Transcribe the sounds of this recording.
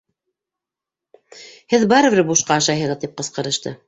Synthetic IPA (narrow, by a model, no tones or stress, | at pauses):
hɘðbɑɾɤ̆βɘɾbuʃqɑːʃɑjɦɤ̆ʁɤðt̪ip̚qɤ̆sqɤ̆ɾɤ̆ʃt̪ɤ̰